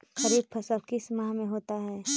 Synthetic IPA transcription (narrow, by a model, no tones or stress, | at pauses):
xɐɾiːb̚pʰɐsəlkismaɦmẽɦoːt̪aɦɛː